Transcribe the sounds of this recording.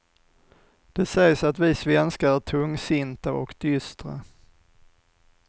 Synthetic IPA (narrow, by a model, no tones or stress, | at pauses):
d̪̥ɛsɛjsat̪vɪsvɛnskaæt̪ʰɵŋːsɪnt̪aɔ̰kd̪̥ʏst̪ɾə̰